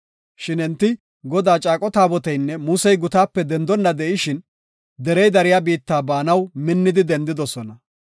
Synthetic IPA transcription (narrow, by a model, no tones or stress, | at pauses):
ʃɪnɪnt̪ːɪ | ɡɔd̪aːt͡ʃʼaːkʼɔt̪aːbɔt̪ɛjnːɛmuːsɛjɡʊt̪aːpːɛd̪ɛnd̪ɔnːɐd̪ɛʔɪʃɪn | d̪ɛɾɛjd̪ɐɾɪjabiːt̪ːaːbaːnɐwmɪnːɪd̪ɪd̪ɛnd̪ɪd̪ɔsɔnɐ